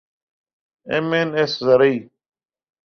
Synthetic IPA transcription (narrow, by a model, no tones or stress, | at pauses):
emeːneːszəɾəiː